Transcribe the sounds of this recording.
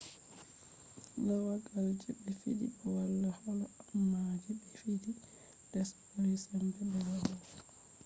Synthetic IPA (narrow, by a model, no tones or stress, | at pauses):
nawaɡald͡ʒɛbɛfidḭbɔwalːahɔlɔamːad͡ʒɛbɛfidi | d̥ɛsḁpaɾɛsɛmbɛbɛlabɔ